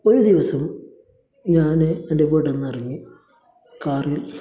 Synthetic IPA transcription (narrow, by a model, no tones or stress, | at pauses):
oɾud̪iʋɐsɐm | ɲaːneɐndeʋeɽenːɐriɲːu | kaːril